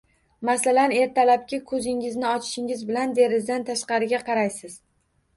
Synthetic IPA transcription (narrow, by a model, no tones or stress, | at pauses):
masalane̞ɾt̪ʰalap̚kʲɪkʰɵzɪŋɪznɪɒt͡ʃʰɪ̥ʃɪŋɪzbɪland̪e̞ɾɪzd̪ant̪ʰaʃqɑɾɪɡʲaqʰɑɾajsɪz̥